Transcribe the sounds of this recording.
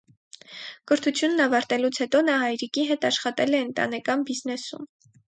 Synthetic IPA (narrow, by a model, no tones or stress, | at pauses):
kəɾt̪ʰut͡sʰjunːɑvɑɾt̪ɛlut͡sʰhɛt̪ɔnɑɦɑjɾikiɦɛt̪ɑʃχɑt̪ɛlɛənt̪ɑ̰nɛkɑnbiznɛsṵm